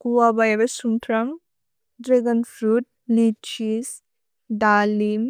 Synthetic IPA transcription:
kuwabajabesumt̪ʰɾɐm | dɾeɡɐnpʰɾut̚lit͡ʃis | dalim

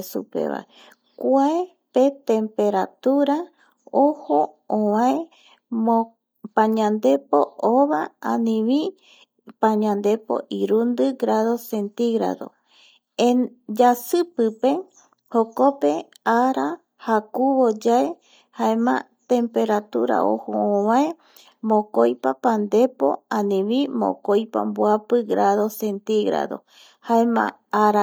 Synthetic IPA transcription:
sṵpḛβa̰e | kʷae | pe̞t̪ẽmpe̞ɾat̪uɾa | oho | õβãe | mo | pãɲãnd̪e̞poʔoβaanĩβĩ | pãɲãnd̪e̞po̰ʔiɾund̪ɨɡɾaðo̞se̞nt̪iɣɾa̰ðo̰ | ed͡ʒasɨpɨpe̞ | hokope | aɾa | hakuβod͡ʒae | haemã̰ | t̪e̞mpe̞ɾat̪uɾa̰o̰hoõβãe | mõkojpapand̪e̞po̰anĩβĩmo̰kojpa̰mbwapɨɡɾʔaðosent̪iɡɾa̰ðo̰ | haemã̰ | aɾa

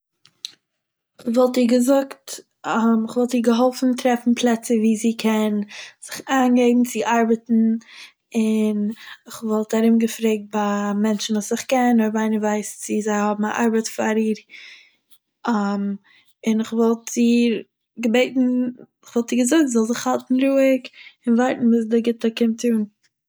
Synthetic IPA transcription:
χvɔlˠtiːɾɡəzʊkt | mɪχvɔlˠtiːɾɡəɦɔlˠfn̩tʰɾɛfn̩pʰlˠɛt͡səviːziːkʰɛnz̥ɪχaːnɡeɪbm̩t͡sɪʔaɾbətn̩ | ɪnɪχvɔlˠtaɾɪmɡəfɾeːk̚t̚bamɛnt͡ʃn̩vuːsɪχkɛnɔɾvaɪnəvaɪst͡sɪzaɪhɔbm̩a̰ʔaɾbətfaɾiːɾ | am | ɪnɪχvɔlˠtiːɾ | ɡəbeɪtn̩ | ɪχv̥ɔlˠtiːɡəzʊk̚zɔlˠzɪχhalˠtn̩ɾuːɪkɪnvaɪtn̩uːs̬dəɡɪtəkɪmtʰuːn

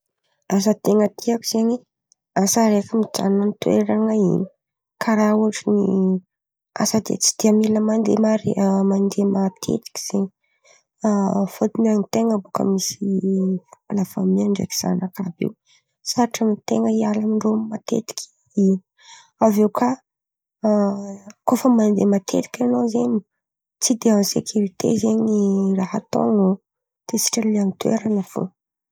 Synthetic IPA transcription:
asət̪eŋət̪iakuz̥eɲi | asaɾekəmid͡ʒa̰nənit̪weɾaŋəḭni | kʰaɾauʈ͡ʂini | a̰səd̪ḛt͡si̥d̪̥iamiləmand̪ḛmaɾemand̪emat̪ʰḛt̪i̥kʲi̥z̥eɲi | fot̪inanit̪eŋəbukə̰misifupalafamiaɳɖ͡ʐḛki̥z̥a̰nakabḭw | saaʈ͡ʂamit̪eŋəialamiɳɖ͡ʐomat̪ḛt̪i̥kʰʲi̥ | i | avewkʰa | kofəmand̪emat̪ʰḛt̪i̥kʲanozeɲi | t͡sid̪eansekʰʲyɾit̪ḛzeɲiraɦat̪o̰ŋo | t̪esi̥ʈ͡ʂəlianit̪wḛɾanəfo̰

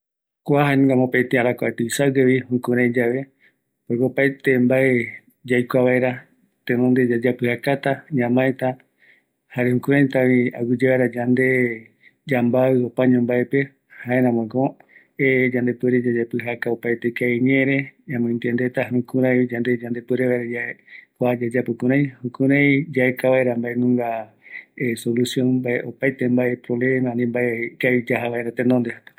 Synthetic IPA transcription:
kʷaɦaɲŋɡamopet̪eaɾakʷat̪ɨisawɡeβihũkũɾãjd͡ʒaβe | poekopaet̪embae | d͡ʒajkʷaβaeɾa | t̪ẽnõnd̪ed͡ʒad͡ʒapɨhakat̪aɲãmãet̪a | haɾehũkũɾãjt̪aβia̰wɨd͡ʒaβajɾad͡ʒand̪e | d͡ʒambaɨopaɲõmbaepe | haeɾãmõɡo | ed͡ʒãnd̪e̞pweɾed͡ʒad͡ʒapɨɦakaopajt̪ekaiɲẽɾeãmõĩnt̪iend̪et̪ahũkũɾãjd͡ʒand̪ed͡ʒand̪e̞pweɾeβaeɾajaekʷad͡ʒad͡ʒapɨkũɾãj̃hũkũɾãj̃d͡ʒaekaβaeɾambaenũŋɡa | esolusjõnbaeʔopajt̪embaepɾoβlemãnĩmbaekaid͡ʒaɦaβaeɾat̪ẽnd̪ond̪ehat̪o̥

